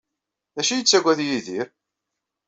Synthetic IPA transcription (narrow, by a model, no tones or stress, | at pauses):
ðæʃijət͡sːæɡʷæðjiðiɾ